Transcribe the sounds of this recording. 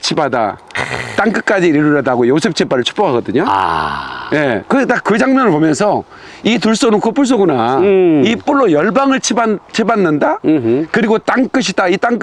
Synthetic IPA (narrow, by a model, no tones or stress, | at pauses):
t͡ɕʰibada̰t͈aŋk͈ɯk͈ad͡ʑiiɾuɾʌdaɡojosʰep̚t͡ɕ͈ʰep͈aɾɯɭt͡ɕʰu̥p͈okʰaɡʌdɯɲo̰ | je̞kɯt͈akɯd͡ʑaŋmjʌnɯɭpomjʌnsʰʌ | ituɭs͈onɯnkopʰuɭs̬͈oɡunaip͈uɭːojʌɭbaŋɯɭt͡ɕʰibat͡ɕʰibanːɯndakɯɾiɡot͈aŋk͈ɯɕ̬ʰid̥ait͈aŋk